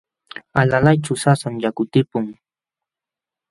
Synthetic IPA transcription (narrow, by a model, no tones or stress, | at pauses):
alalajt͡ʃʊsasamjakʊt̪ɪpʊŋ